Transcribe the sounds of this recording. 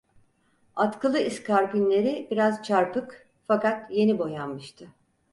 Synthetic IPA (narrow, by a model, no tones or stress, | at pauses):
at̪kʰɯlˠɯiskʰaɾkʲynlʲe̞ɾibiɾazt͡ʃʰaɾpɯk | fakat̪je̞nibo̞janmɯʃt̪ʰɯ